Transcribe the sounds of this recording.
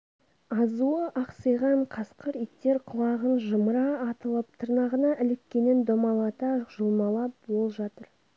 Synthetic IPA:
ɑzuəʔɑqsəjʁɑɴqʰɑsqəɾit̪ːe̞ɾqʰʊlˠɑʁənʒəməɾɑːt̪əlˠəp̚t̪ʰəɾnɑʁənɑʔɪlɪkʲkʲe̞nɪnd̪omɑlˠɑt̪ɑʒəlˠmɑlˠɑpbo̞lˠʒɑt̪əɾ

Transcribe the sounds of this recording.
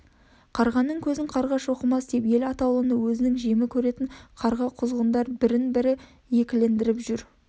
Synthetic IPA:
qʰɑɾʁɑnːəɴkʲʰɵzɪŋqʰɑɾʁɑʃoqəmɑsd̪epje̞lɑt̪ɑlˠəənəwɵzɪnɪŋʒemɪkʲʰɵɾe̞t̪ɪɴqʰɑɾʁɑqʰʊzʁənd̪ɑɾbɪɾɪnbɪɾɪ | je̞kʲɪle̞nd̪ɪɾɪpʒʏɾ

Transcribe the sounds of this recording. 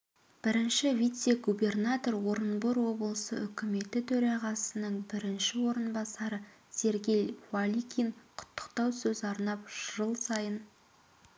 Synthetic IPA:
b̥ɪɾɪnʃɪvit̪seɡube̞rnat̪o̞ɾwo̞ɾənboɾwo̞bəlˠəsə̰ʔʏkʲɪme̞t̪ɪt̪ʰɵɾɑʁɑsənəɴbɪɾɪnʃɪwo̞ɾənbɑsɑɾə | se̞ɾɡʲe̞jvalʲikʲʰinqʰʊ̥t̪ʰːə̥qt̪ɑwsɵzɑɾnɑpʒʒəlˠsɑjən

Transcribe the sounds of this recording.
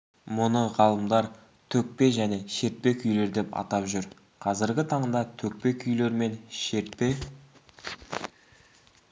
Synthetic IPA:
mʊnəʁɑlˠəmd̪ɑɾ | t̪ʰɵk̚pe̞ʒæne̞ʃe̞t̪̚pe̞kʲʰʏjle̞ɾd̪e̞pɑ̰t̪ɑpʒʏɾ | qʰɑzɪɾɡʲɪt̪ʰɑɴd̪ɑt̪ʰɵk̚pe̞kʲʰʏjle̞ɾme̞nʃeɾt̪̚pe̞

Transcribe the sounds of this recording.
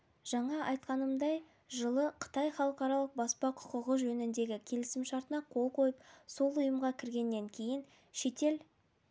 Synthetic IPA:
ʒ̥ɑɴɑʔɑjt̪qɑnəmd̪ɑj | ʒəlˠəqʰə̥t̪ɑjχɑlˠəqɑɾɑlˠəq̚bɑspɑqʰʊ̥qəʁəʒɵnɪnd̪e̞ɡʲɪkʲʰe̞lɪsɪmʃɑɾt̪ənɑqʰo̞lˠqʰo̞jəp̚so̞lˠʊjəmʁɑkʲʰɪɾɡʲe̞nːe̞ŋkʲʰe̞jɪn | ʃe̞t̪e̞l

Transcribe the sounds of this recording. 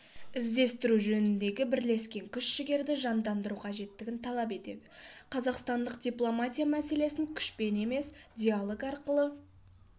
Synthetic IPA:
ɪzd̪e̞st̪ɪɾuʒɵnɪnd̪e̞ɡʲɪbɪɾle̞skʲe̞ŋkʲʰʏʃʃɪɡʲe̞ɾd̪ɪʒɑnd̪ɑnd̪əɾuqʰɑʒe̞t̪ːɪɡʲɪnt̪ʰɑlˠɑpe̞t̪e̞̰d̪ɪqʰɑzɑqst̪ɑnd̪əqd̪ʲijplˠo̞mat̪ʲijamæse̞le̞sɪŋkʲʰʏ̥ʃpe̞ne̞me̞sd̪ʲialˠo̞kɑɾqəlˠə

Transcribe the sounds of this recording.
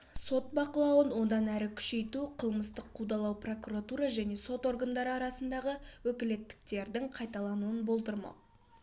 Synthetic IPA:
so̞t̪̚bɑqəlˠɑwənwo̞d̪ɑnæɾɪkʲʰʏ̥ʃe̞jt̪uqʰəlˠməst̪əqʰːud̪ɑlˠɑwpro̞kuɾat̪uɾɑʒæne̞so̞t̪o̞ɾɡənd̪ɑɾɑɾɑsənd̪ɑʁəwɵkʲɪle̞t̪ːɪ̥k̚t̪e̞ɾd̪ɪŋqʰɑjt̪ɑlˠɑnuənbo̞lˠt̪əɾmɑ̰

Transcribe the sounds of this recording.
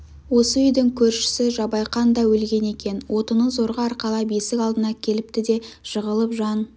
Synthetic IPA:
wo̞səʏjd̪ɪŋkʲʰɵɾʃɪ̥sɪʒɑbɑjqɑnd̪ɑwɵlɡʲe̞ne̞kʲe̞nwo̞t̪ənəzo̞ɾʁəɑɾqɑlˠɑbe̞sɪkʲɑlˠd̪ənɑkʲʰe̞lɪp̚t̪ɪd̪e̞ʃəʁəlˠəpʒɑn

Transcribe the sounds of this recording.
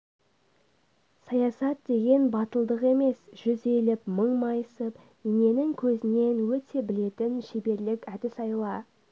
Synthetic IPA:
sɑjɑsɑt̪̚d̪e̞ɡʲe̞nbɑt̪əlˠd̪əqe̞me̞sʒ̥ʏze̞lɪpməɴmɑjəsəp | ine̞nɪŋkʲʰɵzɪne̞nwɵt̪ʰe̞bɪle̞t̪ɪnʃebe̞ɾlɪkʲæd̪ɪsɑjlˠɑ

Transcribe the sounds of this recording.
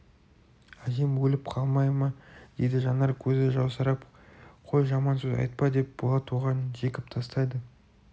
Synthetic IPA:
æzemwɵlɪpqʰɑlˠmɑjmɑd̪̥e̞jd̪ɪʒɑnɑɾkʲʰɵzɪʒɑwsɑɾɑp | qʰo̞jʒɑmɑnsɵzɑ̰jt̪̚pɑd̪e̞p̚b̥olˠɑt̪ʰuʁɑnʒe̞kʲɪp̚t̪ʰɑst̪ɑjd̪ə

